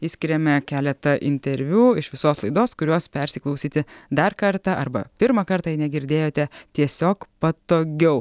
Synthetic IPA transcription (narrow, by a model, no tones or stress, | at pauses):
iːsʲkʲɪɾʲɛmʲɛkʲæːlʲɛt̪ɐʔɪ̰nʲt̪ʲɛɾʲʋʲuːɪʃʋʲɪsoːslˠɐɪd̪oːskʊɾʲuɔspʲɛɾʲsʲɪklˠɒʊsʲiːt̪ʲɪd̪ɐɾkɐɾt̪ɑʔɐ̰ɾbɐ̰pʲɪɾmɐkɐɾt̪ɑːjɪnʲɛɡʲɪɾʲd̪ʲeːjoːt̪ʲɛt̪ʲiɛsʲoːkpɐt̪oːɡʲɛʊ